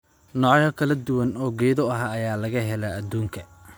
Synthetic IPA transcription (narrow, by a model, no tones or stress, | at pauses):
nɔːʕjɐkʰɐlɐd̪ʊwɐnɔːɡɛːðɔɐɦaːjaːlɐɣɐɦɛlɐːd̪uːŋkʰɐ